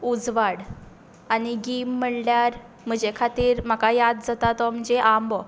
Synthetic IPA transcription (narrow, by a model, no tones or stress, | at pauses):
ud͡zʋaɽ | aniɡimːəɽljaɾ | m̤əd͡ʑekʰat̪iːɾm̤akajad̪̚d͡zat̪at̪ɔm̤əɳd͡zeʔambɔ